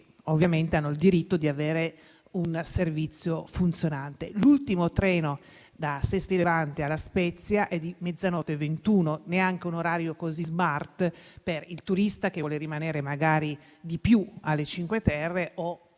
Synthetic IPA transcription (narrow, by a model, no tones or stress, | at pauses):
ovːjament̪eanːoild̪iɾit̪ːod̪iaveːɾe | unservit̪sːjofunt̪sjonant̪elult̪imot̪ɾɛːno | d̪asɛst̪ilevant̪ialːaspɛt̪sːjaʔɛd̪imɛd̪zːanɔːt̪event̪uːnoneaŋk̟eunoɾaːɾjokozizmart̪perilt̪uɾist̪ak̟eɔleɾimaneːɾemaɡaːɾi | d̪ipjualːet͡ʃiŋkwet̪ɛrːeʔo